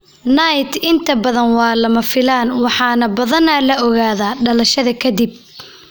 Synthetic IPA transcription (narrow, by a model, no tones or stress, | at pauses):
nɐjt̪ɪnt̪ʰɐbɐðɐnwɑːlɐmɐfɪlaːnwɑħɑːnɐbɐðɐnɐlɐɔɣaːðaːɖɐlɐʃɐðɐkʰɐd̪ib̚